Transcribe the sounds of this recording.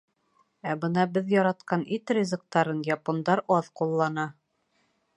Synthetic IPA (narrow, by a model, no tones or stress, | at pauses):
æbɤnɑbɘðjɒɾɑt̪qɑnit̪rʲizɤ̆k̚t̪ɑɾɤnjɑpond̪ɑɾɒðqulˠːɑnɑ